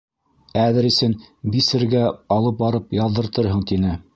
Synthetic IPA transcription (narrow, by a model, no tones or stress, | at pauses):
æðɘɾisɘnbisɘ̆ɾɡæɑlˠɤp̚bɑɾɤpjɑðːɤ̆ɾt̪ɤɾɦɤɴt̪inɘ